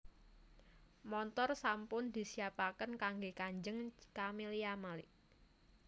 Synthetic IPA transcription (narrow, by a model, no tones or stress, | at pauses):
mɔnt̪ɔrsampʊnd̪̥i̤siapakənkaŋɡekaɲd͡ʒəŋkameliamalɪʔ